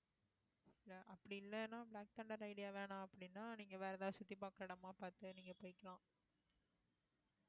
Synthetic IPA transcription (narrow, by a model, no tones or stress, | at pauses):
ɪlːɐʔɐpːɐɽɪɪlːɐnãːbɭaːk̚t̪ɐɳɖɐɾɐɪɽɪjaːʋeːɳãːɐpːɐɽɪnːaːniːŋɡɐʋeːɾɐðãːsʊt̪ːipaːkːɐɾɐɽɐmaːpaːɾt̪ɯniːŋɡɐpoːjɪkːɐɭãː